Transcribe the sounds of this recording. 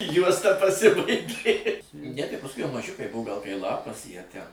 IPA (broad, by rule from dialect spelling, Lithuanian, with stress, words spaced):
ˈjuɔstɐ pɐˈsʲɪbɐɪɡʲeː nʲɛ tɐɪ pɐsˈkʊɪ jɛʊ mɐˈʒʲʊkɐɪ ˈbʊʋoː ɡɐlˠ kɐɪ ˈlˠɑːpɐs ˈjiɛ ˈtʲɛn